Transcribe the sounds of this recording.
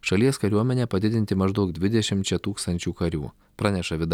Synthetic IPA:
ʃɐlʲiɛskɐɾʲuɔmʲɛnʲɛːpɐd̪ʲɪd̪ʲɪnt̪ʲɪmɐʒd̪ɒʊk̚d̪ʲʋʲɪd̪ʲɛʃʲɪmt͡ʃʲɛt̪uːkst̪ɐnʲt͡ʃʲuːkɐɾʲṵː | pɾɑːnʲɛʃɐʋʲɪd̪

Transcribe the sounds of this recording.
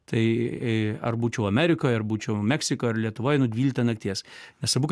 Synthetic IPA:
t̪ɐɪ | ɐ̰rbuːt͡ʃʲɛʊɐmʲæɾʲɪkoːjɐrbuːt͡ʃʲɛʊmʲɛksʲɪkoːɐrlʲiɛt̪ʊʋoːjnʊd̪ʲʋʲiːlʲɪkt̪ɐnɐkt̪ʲiɛsnʲɛsɐbuːk

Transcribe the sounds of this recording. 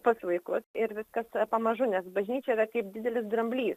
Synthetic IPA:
pɐslˠɐɪkʊsɪɾʋʲɪskɐspɐmɐʒʊnʲɛsbɐʒʲnʲiːt͡ʃʲɛiɾɐkɐɪp̚dʲɪd̪ʲɛlʲɪsd̪ɾɐmʲbʲlʲiːs

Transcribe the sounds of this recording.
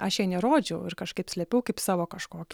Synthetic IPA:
ɐʃɛɪnʲɛɾoːd͡ʒʲɛʊɪɾkɐʃkɐɪpsʲlʲɛpʲɛʊkɐɪpsɑːʋoːkɐʃkoːkʲ

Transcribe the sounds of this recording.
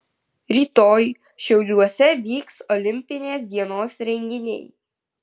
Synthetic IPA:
ɾʲiːt̪oːj | ʃʲɛʊlʲuɔsʲɛʋʲiːksɔlʲɪmʲpʲɪnʲeːs̬d̪ʲiɛnoːsɾʲɛŋʲɡʲɪnʲɛ̰ɪ

